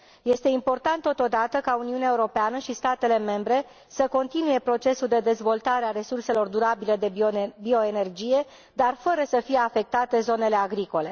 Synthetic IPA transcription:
je̞st̪e̞impo̞rt̪ant̪ːo̞t̪o̞d̪at̪əkauniuneaeuɾo̞peanəʃist̪at̪e̞le̞me̞mbɾe̞ | səko̞nt̪inuje̞pɾo̞t͡ʃe̞suld̪e̞d̪e̞zvo̞lt̪aɾeaɾe̞surse̞lo̞rd̪uɾabile̞d̪ebio̞e̞ne̞rd͡ʒije̞ | d̪arfəɾəsəfije̞afe̞k̚t̪at̪e̞zo̞ne̞le̞aɡɾiko̞le̞

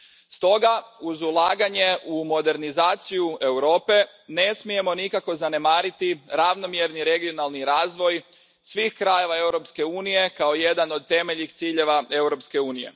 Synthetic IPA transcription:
st̪o̞ɡauzulˠaːɡaɲe̞ʔumo̞d̪e̞ɾnizaːt̪sijue̞wɾo̞ːpe̞ | ne̞smije̞mo̞nikako̞zane̞maːɾit̪iɾaʋno̞mjeɾniɾe̞ɡio̞nalˠniɾaːzʋo̞j | sʋiːxkɾaje̞ʋae̞wɾo̞pske̞uːnije̞kao̞je̞d̪ano̞d̪̚t̪e̞meʎixt̪siːʎe̞ʋae̞wɾo̞pske̞uːnije̞̰

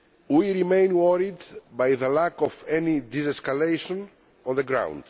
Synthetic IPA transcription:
wiɾimẽj̃nwɔɾid̪bajðəlakɔfɛnid̪izeskalejʃõn | ɔ̃nðəɡɾã̰w̃nd̪̥

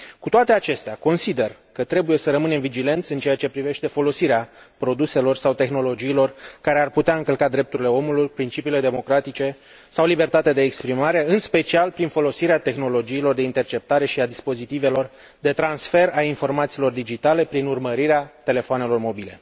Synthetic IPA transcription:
kut̪oat̪e̞at͡ʃe̞st̪eako̞nsid̪e̞rkət̪ɾe̞buje̞səɾəmɨne̞mvid͡ʒile̞nt̪sɨnt͡ʃeat͡ʃe̞pɾive̞ʃt̪e̞fo̞lo̞siɾeapɾo̞d̪use̞lo̞rsawt̪e̞xno̞lo̞d͡ʒiːlo̞rkaɾe̞arput̪eaɨŋkəlkad̪ɾe̞p̚t̪uɾile̞o̞mulujpɾint͡ʃipiːle̞d̪e̞mo̞kɾat̪it͡ʃe̞ | sawlibe̞rt̪at̪ad̪e̞ːkspɾimaɾe̞ɨnspe̞t͡ʃialpɾinfo̞lo̞siɾeat̪e̞xno̞lo̞d͡ʒiːlo̞rd̪e̞int̪e̞rt͡ʃe̞p̚t̪aɾe̞ʃiad̪ispo̞zit̪ive̞lo̞r | d̪e̞t̪ɾansfe̞ɾainfo̞rmat̪siːlo̞rd̪id͡ʒit̪ale̞pɾinurməɾiɾeat̪e̞le̞foane̞lo̞rmo̞bile̞̰

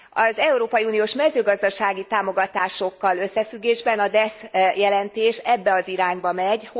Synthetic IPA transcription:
ɒzɛuɾoːpɒjiuːnijoːʃmɛzøːɡɒzd̪ɒʃaːɡit̪aːmo̞ɡɒt̪aːʃo̞kːɒlø̞sːɛfyɡːeːʒbɛnɒd̪ɛsjɛlɛnt̪eːʃɛbːɛɒziɾaːɲbɒmɛɟ

